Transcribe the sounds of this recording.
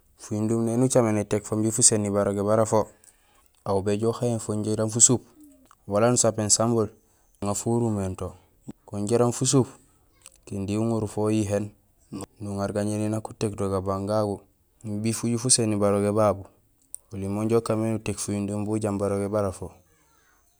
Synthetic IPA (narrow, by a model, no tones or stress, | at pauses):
fujindumnenut͡ʃamenetekfombifusenːibaɾoɡeβaɾafo | aubeɟoxaenfoɲɟeɾanfusup | walanusapensambol | uŋafuɾumento | koɲɟeɾanfus̬up | kindiuŋuɾufojiɦen | nuŋaɾɡaɲeninaku̥tekdoɡabaŋɡaɡu | bifuɟufusenːibaɾoɡebabu | ulimoɲɟokamenutekfujundumbuɟambaɾoɡebaɾafo